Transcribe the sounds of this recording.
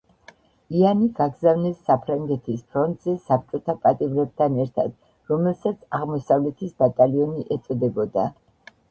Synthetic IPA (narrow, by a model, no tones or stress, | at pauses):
ianiɡaɡzavnɛsːapʰɾaŋɡɛt̪ʰispʰɾɔnt̪ʼzɛsap̚t͡ʃʼɔt̪ʰapʼat̪ʼimɾɛb̚t̪ʰanɛɾt̪ʰa̰d̪̥ | ɾɔmɛlsat̪sʰaʁmɔsavlɛt̪ʰisbat̪ʼaliɔniʔɛt̪sʼɔd̪ɛbɔd̪a